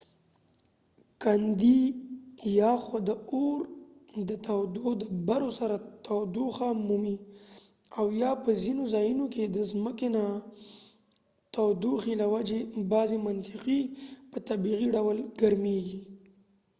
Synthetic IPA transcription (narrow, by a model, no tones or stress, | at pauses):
kand̪i | jɑxad̪əoɾ | d̪ət̪awd̪od̪əbaɾosaɾat̪awd̪uxamumi | awjɑpəzinozɑjunoked̪əzməkena | t̪awd̪uxilawad͡ʒebɑzemant̪ɪqipət̪abiɣiɖawəlɡaɾmeɡi